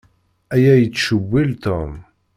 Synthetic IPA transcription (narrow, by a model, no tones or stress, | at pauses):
æjæjət͡sːʃəwːilt̪om